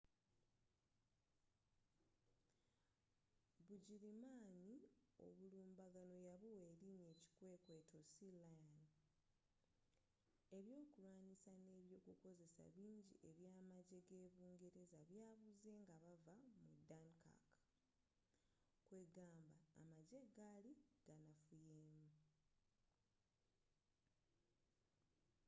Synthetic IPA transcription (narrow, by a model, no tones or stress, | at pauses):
βuɟiɾimaːɲio̞̰βuluːmbaɡano̞jaβuwe̞ːɾiɲe̞ːci̥kwe̞ːkwe̞tʰo̞silajan | e̞βjo̞ːkulwaːnisane̞ːβjo̞ːkuko̞ze̞sa̰βiːɲɟiʔe̞βjaːmaɟe̞ɡe̞ːβuːŋɡeɾe̞zaβjaːβuze̞ːŋɡaβavamudanka̰k | kwe̞ɡaːmba̰ːmaɟe̞ɡaliɡ̥anafujeːmu